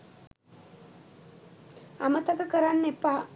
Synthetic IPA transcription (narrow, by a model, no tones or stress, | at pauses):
amət̪ɐkəkəɾanːepːaː